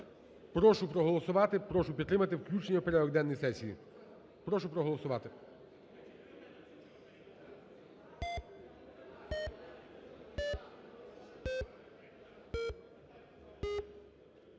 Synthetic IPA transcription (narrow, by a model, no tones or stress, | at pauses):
pɾɔʃʊpɾɔɦɔlˠɔsʊʋɑt̪ɪpɾɔʃʊpʲit̪t̪ɾɪmɐt̪ɪwklʲut͡ʃnʲupeɾɛɔɡd̪ɛnːɔjsɛsʲijḭ | pɾɔʃʊpɾɔɦɔlˠɔsʊʋɑt̪ɪ